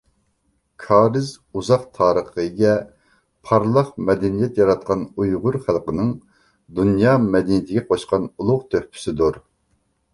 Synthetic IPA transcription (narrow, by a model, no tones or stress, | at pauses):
kʰɑːɾɪz | uzɑqt̪ʰɑːɾəχəɡʲɛ | pʰɑɾlˠəqmɛd̪ɛnijɛt̪jɑɾɑt̪̚qɑnujʁʊɾχælˠqənɨŋ | d̪unjɑːmɛd̪ɛnijit̪ʰɪɡʲɛqʰoʃqɑnulˠʊʁt̪ʰøhpʰy̥sɪd̪uɾ